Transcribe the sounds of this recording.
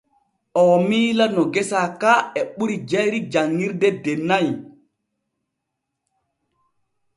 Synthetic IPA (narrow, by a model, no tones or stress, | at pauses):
ʔɔmiːlanɔɡɛsakaɛɓuɾid͡ʒɛɾid͡ʒaŋːiɾdɛdɛnaj